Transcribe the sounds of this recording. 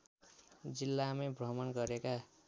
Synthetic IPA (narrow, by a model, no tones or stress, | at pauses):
d͡zilːamebʱrʌmʌnɡʌɾeka